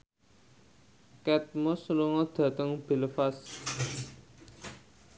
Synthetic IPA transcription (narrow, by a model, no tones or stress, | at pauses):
kɛt̪̚mɔsluŋɔd̪̥ä̤t̪əŋb̥i̤ləfas